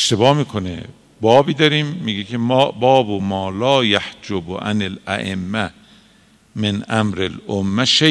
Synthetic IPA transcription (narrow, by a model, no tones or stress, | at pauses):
eʃt̪ebɒːmiːkʰonḛ | bɒːbiːd̪ɒɾiːmːiːɡekʰembɒːbomɒːlɒːjæhd͡ʒoboʔa̰nelæ̰ʔemːæ | menʔæmɾelomːæʃe